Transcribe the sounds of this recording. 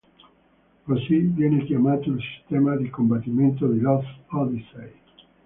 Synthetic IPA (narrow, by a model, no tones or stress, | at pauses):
kosivjɛnekjamat̪oilsi̥st̪ɛmad̪ikombat̪ːimẽnt̪̬od̪ilɔsɔd̪isej